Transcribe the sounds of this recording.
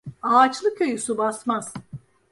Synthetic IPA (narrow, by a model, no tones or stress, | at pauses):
aːt͡ʃlˠɯkʲʰø̞jysubasmaz̥